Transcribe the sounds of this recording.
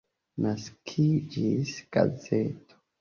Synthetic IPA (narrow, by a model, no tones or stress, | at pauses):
naskʰid͡ʒisɡ̥a̰zeto̥